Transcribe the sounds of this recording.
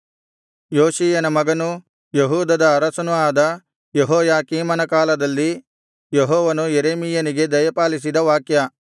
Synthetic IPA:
joːʃiːjɐnɐmɐɡɐnu | jeɦuːd̪ɐd̪ɐːɾɐsɐnuaːd̪ɐ | jeɦɔːjaːkiːmɐnɐkaːlɐd̪ɐlːi | jeɦɔːʋɐnujeɾeːmijɐniɡe̞d̪ɐjɐpaːlis̬id̪ɐʋaːkjɐ

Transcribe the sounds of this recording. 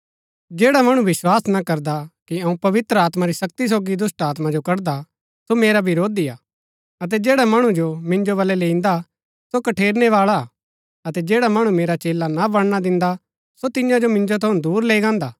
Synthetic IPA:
d͡ʒeːɽamɐɽ̃uʋɪswaːsnakɐɾd̪akiɐũpɐʋɪt̪ɾəaːt̪maɾisɐk̚t̪is̬oːɡid̪ʊsʈaːt̪mad͡ʒokɐɾd̪a | someːɾabʱiɾoːd̪iaː | ɐt̪̬ɛd͡ʒeːɽamɐɽ̃ũd͡ʒomɪ̃nd͡ʒoβɐlɛleːĩnd̪a | sokɐʈʰeːɾnɛʋaːɭa | ɐt̪ɛd͡ʒeːɽamɐɽ̃ũmeːɾat͡ʃeːlanabɐɽ̃ñad̪ɪ̃nd̪a | sot̪ɪjãd͡ʒomɪ̃nd͡ʒot̪ʰɐũnd̪uːɾleːiɡãːnd̪aː

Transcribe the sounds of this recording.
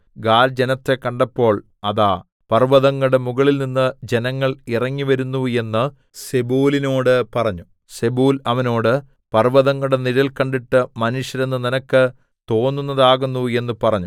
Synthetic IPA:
ɡaːld͡ʑenɐt̪ːe̞kːɐɳɖɐpːo̞ːɭ | ɐðaː | pɐrʋɐðɐŋːɐɽemuɣɐɭilninːɨd͡ʑe̞nɐŋːɐɭirɐŋːiʋɐɾunːue̞nːɨ | sebuːlino̞ːɽɨpɐrɐɲːu | se̞buːlɐʋɐno̞ːɽɨ | pɐrʋɐðɐŋːuɽeniɾɐlkɐɳɖiʈːɨmɐnuʂjɐɾe̞nːɨninɐkːɨ | t̪o̞ːnːunːɐðaːɣunːue̞nːɨpɐrɐɲːu

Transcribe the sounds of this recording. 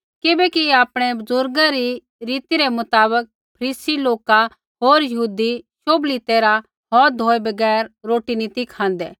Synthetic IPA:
kɪbɛkiaːpɽ̃ɛbʊzʊɾɡaɾi | ɾiːt̪iɾemʊt̪aːbək̚ | pʰɐɾiːsiloːka | ɦoːɾjɐɦuːd̪iʃoːbliːt̪eɾa | ɦɔːd̪ʱoːebɐɡɛːɾɾoːʈiniːt̪ikʰãːnd̪ɛː

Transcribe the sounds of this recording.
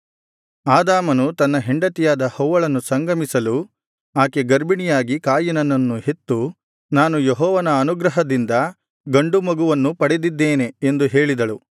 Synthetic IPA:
aːd̪aːmɐnut̪ɐnːɐɦeɳɖɐt̪ijaːd̪ɐhɐwʋːɐɭɐnːusɐŋɡɐmisɐlu | aːkeɡɐɾbinijaːɡikaːjɐnɐnːɐnːuhe̞t̪ːu | naːnujeɦɔːʋɐnɐːnuɡɾɐɦɐd̪ind̪ɐ | ɡɐɳɖumɐɡuʋɐnːupɐɽed̪id̪ːeːne̞ːnd̪uɦe̞ːɭid̪ɐɭu

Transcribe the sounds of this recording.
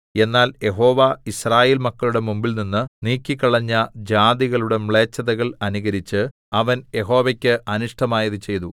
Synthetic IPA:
e̞nːaːlje̞ɦo̞ːʋaisraːjeːlmɐkːɐɭuɽe̞mumbilninːɨniːkʲːikːɐɭɐɲːɐd͡ʑaːd̪iɣɐɭuɽe̞mɭe̞ːt͡ɕːɐðɐɣɐɭɐnuɣɐɾit͡ɕːɨ | ɐʋɐnje̞ɦo̞ːʋɐkʲːɨʔɐnuʂʈɐmaːjɐðɨt͡ɕe̞jt̪u

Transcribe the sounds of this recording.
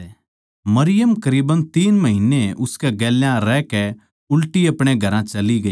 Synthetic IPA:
mɐɾɪjəmkɐɾiːbənt̪iːnmɐɦɪnːeʔʊskɛɡɛːljãɾɛːkɛ | ʊlʈiɐpɽ̃eɡʱɐɾãt͡ʃɐliɡɐiː

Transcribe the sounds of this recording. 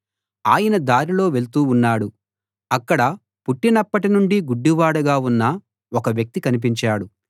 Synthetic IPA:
aːjɐnɐd̪aːɾilo̞ːʋe̞ɭt̪uːunːaːɽu | ɐkːɐɽɐ | puʈːinɐpːɐʈinuɳɖiɡuɖːiʋaːɽɐɡaːunːɐ | ɔkɐʋjɐk̚t̪ikɐnip̬iɲt͡ʃaːɽu

